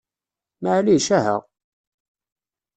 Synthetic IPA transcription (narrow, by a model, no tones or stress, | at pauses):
maʕliʃæɦə̰ʁ